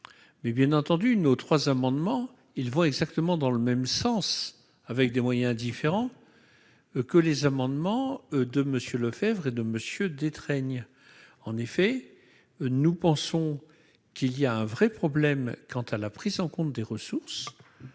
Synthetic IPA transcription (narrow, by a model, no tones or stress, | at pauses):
mɛbjɛ̃nɑ̃t̪ɑ̃d̪ynot̪χwazamɑ̃d̪mɑ̃ | ilvɔ̃ɛɡzak̚t̪əmɑ̃d̪ɑ̃ləmɛmsɑ̃s | avɛk̚d̪emwajɛ̃d̪ifeʁɑ̃ | kəlezamɑ̃d̪mɑ̃d̪əməsjøləfɛvʁed̪əməsjød̪et̪χɛɲ | ɑ̃nefɛ | nupɑ̃sɔ̃ | kilijaɛ̃vʁɛpχɔblɛmkɑ̃t̪alapχizɑ̃kɔ̃t̪̚d̪eʁəsuʁs